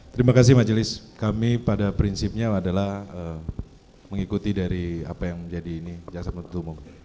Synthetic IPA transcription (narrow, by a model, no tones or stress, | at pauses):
t̪əɾimakas̬ɪhmad͡ʒəlɪs | kamipadapɾinsip̚ɲaadalahə | məŋikut̪idaɾia̰pajaŋd͡ʒadiːnid͡ʒaksamp̪t̪umʊŋ